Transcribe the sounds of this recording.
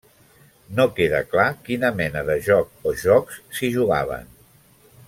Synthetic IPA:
nokeðə̰klakinəmɛnəðəʒɔk̚oʒɔkssiʒuɣa̰β̞ə̰n

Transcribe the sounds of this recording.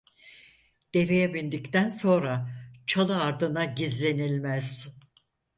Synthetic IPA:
d̪̥e̞ve̞jɛbind̪ict̪ʰænso̞nɾat͡ʃʰalˠɯaɾd̪ɯnaɟizlʲe̞nilʲmæz̥

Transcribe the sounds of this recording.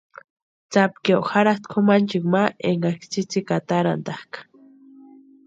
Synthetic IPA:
t͡sapkewxaɾat̪kʰomant͡ʃikmaeŋɡakt͡sit͡sikat̪aɾa̰nd̪ahkḁ

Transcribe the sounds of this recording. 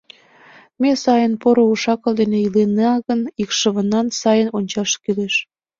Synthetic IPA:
mesɑjənpoɾouʃɑkə̆ld̪eneileneɑɣənikʃə̆βənɑnsɑjənonʲt͡ɕɑʃkyleʃ

